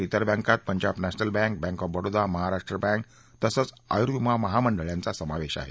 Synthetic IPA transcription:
it̪əɾbɛ̃ŋkat̪̚pəɲd͡ʑapnæɕnəlbɛ̃ŋk̚bɛ̃ŋkɔfbəɽod̪aməɦaɾaʂʈɾəbãŋk̚ | t̪əsət͡s | a̰jɾumaməɦaməɳɖəɭjãnt͡sasəmaʋeɕa̰ɦḛ

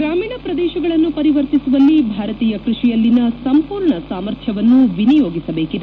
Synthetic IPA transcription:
ɡɾaːmiːɳɐpɾɐd̪ɛːʃɐɡɐɭɐnːupɐɾiʋɐɾt̪isuʋɐlːibʱaːɾɐt̪iːjɐkɾuʂijɐlːinɐsɐmpuːɾɳɐsaːmɐɾt̪ʰjɐʋɐnːuʋinijo̞ːɡisɐbe̞ːkid̪

